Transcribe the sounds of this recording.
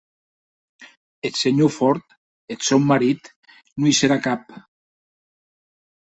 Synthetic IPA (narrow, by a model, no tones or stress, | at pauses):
et̪seɲofɔɾt̪ | et̪sɔwmaɾit̪ | nujseɾakap̚